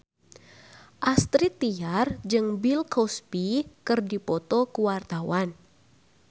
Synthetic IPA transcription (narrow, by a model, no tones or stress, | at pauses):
ʔast̪ɾit̪ːiard͡ʒɨŋbilkɔspikɨrdipɔt̪ɔkuwart̪awan